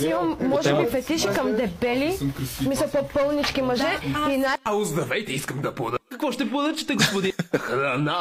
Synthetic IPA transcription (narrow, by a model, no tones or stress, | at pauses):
iɐmːɔʒɛmifɛt̪iʃikɐmd̪ɛbɛlismisɛlˠpopəlˠnit͡ʃkimɐʒɛinaauzd̪ɐvɛjt̪ɛiskɐmd̪ɐpod̪ɐkɐkvɔʃt̪ɛpɔd̪ɐt͡ʃɛ̥t̪ɛɡʊspʊd̪ixɾɐna